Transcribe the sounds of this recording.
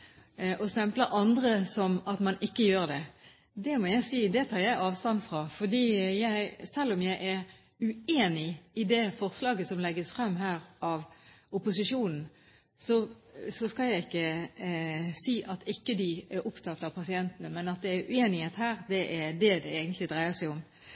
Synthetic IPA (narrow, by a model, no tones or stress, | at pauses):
ʔɔst̪ɛmpləɾʔɑnd̪ʁəsɔmɑt̪mɑnʔɪkːəjøːɾd̪ɛ | d̪ɛmɔjæɪsiːd̪ɛt̪ʰɑːɾjæɪʔɑːʋst̪ɑnfʁɑfɔd̪iːjæɪsɛlːɔmjæɪʔɛɾ | ʉeːnɪɪd̪ɛfɔʁslɑːɡəsɔmlɛɡːəsfʁɑmːɦæːɾʔɑʋʊpʊsɪʂuːnn̩ | sɔ | sɔskɑljæɪɪkːə | siːʔɑt̪ɪkːəd̪ɪɛɾʔʊpt̪ʰɑt̪ːɑpʰɑsɪɛnt̪ənəmɛnɑt̪̚d̪ɛːɾʉeːnɪheːt̪hæːɾd̪ɛʔæd̪ɛd̪ɛeːɡənt̪lɪd̪ʁæɪəsæɪʊm